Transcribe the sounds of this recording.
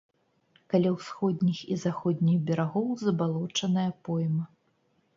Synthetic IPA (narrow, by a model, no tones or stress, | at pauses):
kalʲawsxɔd̪ʲnʲixizaxɔd̪ʲnʲiɣbʲɛɾaɣɔwzɐbalˠɔt͡ʂɐnɐjɐpɔjmɐ